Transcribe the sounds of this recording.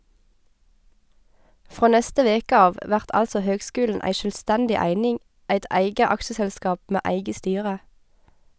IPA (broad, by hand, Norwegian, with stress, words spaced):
ˈfʁoː ˈnɛstə ˈʋeːkə ˈɑːʋ ˈʋæʁt ˈʔɑlsɔ ˈhøːɡˌskʉːln̩ ˈʔæɪ ʃœlˈstɛndɪ ˈæɪnɪŋ ˈæɪt ˈʔæɪɡə ˈɑksəsɛlˌskɑːp ˈmeː ˈæɪɡə ˈstyːʁə